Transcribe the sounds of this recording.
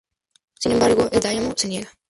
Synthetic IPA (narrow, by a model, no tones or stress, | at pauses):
sine̞mbaɾɣoʔezd̪ajamoseniela